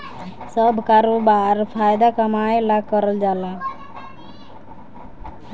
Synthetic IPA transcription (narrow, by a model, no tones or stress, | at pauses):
səbʱkaɾobaɾpʰajd̪akəmajlaɡ̚kəɾəld͡ʒala